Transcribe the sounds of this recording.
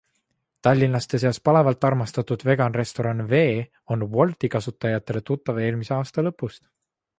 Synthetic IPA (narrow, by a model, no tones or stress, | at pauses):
t̪ɑlʲːinlɑst̪e̞s̬eɑspɑle̞vɑlt̪ːˑɑrmɑst̪ɑt̪ud̪̥ve̞ɡ̥ɑnre̞st̪o̞ɾɑnve̞ː | o̞nvo̞lt̪ikɑsut̪ːˑɑjɑt̪ːˑe̞le̞t̪ut̪ːˑɑve̞ːlmiseɑːst̪ɑlɤpːˑust̪